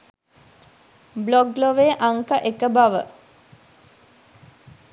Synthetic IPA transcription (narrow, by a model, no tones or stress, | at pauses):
bloɡloʋeːʔaŋkəʔekəbɐʋə̰